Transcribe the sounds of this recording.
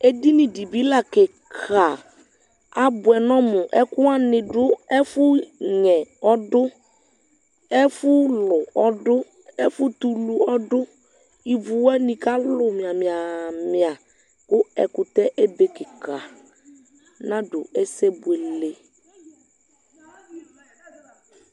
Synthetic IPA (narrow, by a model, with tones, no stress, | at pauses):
e˦di˦nĩ˨di˨bi˦la˦˨kɪ˨ | kʰa˨ | a˨bʊ˨ɛ˨nɔ̃˦mʊ˨ʔɛ˦kʊ˦a˦nɪ̃˨dʊ˦ɛ˦fʊ˦ɲɛ˨ɔ˦dʊ˦ | ɛ˦fʊ˦lʊ˨ɔ˦dʊ˦ | ɛ˦fʊ˦t̪u˨lu˨ɔ˦dʊ˦ | i˨vu˨wɛ˦nĩ˨ka˦lʊ˨mɪ̃˨a˨mɪ̃˨a˨mɪ˨a˨ | kʊ˦ɛ̰˨kʊ˨t̪ɛ˦ʔe˦be˨kɪ˨ka˨ | nã˦ɖʊ̰˨ɛ˦sɛ˦bʊ˨e˨le˦